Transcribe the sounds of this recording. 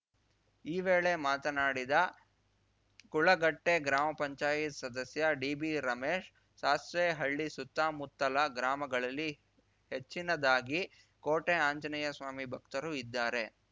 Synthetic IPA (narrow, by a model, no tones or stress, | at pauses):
iːʋeːɭe̞maːt̪ɐnaːɽid̪ɐ | kuɭɐɡɐʈːeɡɾaːmɐpɐɲt͡ʃaːjit̪sɐd̪ɐsjɐɖiːbiɾɐmeːʂ | ʃaːsʋeɦɐɭːisut̪ːaːmut̪ːɐlɐɡɾaːmɐɡɐɭɐlːi | het͡ʃːinɐd̪aːɡi | koːʈeaːɲt͡ʃɐnɐjɐsʋaːmibʱɐkt̪ɐɾuid̪ːaːɾe̞